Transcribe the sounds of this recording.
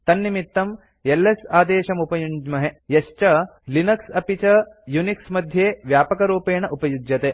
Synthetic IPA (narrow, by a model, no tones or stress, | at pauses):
t̪ɐnːimit̪ːɐm | elːesaːd̪eːʃɐmupɐjuɲd͡ʒmɐɦejɐʃt͡ʃɐlinɐksɐpit͡ʃɐjuniksmɐd̪ʱjeːʋjaːpɐkɐɾuːpeːɳɐʔupɐjud͡ʒjɐt̪eː